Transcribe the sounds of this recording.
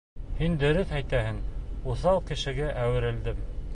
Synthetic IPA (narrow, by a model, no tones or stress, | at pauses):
hind̪ɵ̆ɾɵθæjt̪æhɘŋuθɑwkɘ̆ʃɘ̆ɡæʔæwɘ̆ɾɘ̆ld̪ɘm